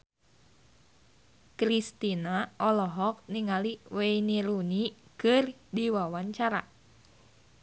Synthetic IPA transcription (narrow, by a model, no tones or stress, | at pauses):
kɾist̪inaʔɔlɔɦɔk̚niŋaliweiniɾunikɨrdiwawaɲt͡ʃaɾa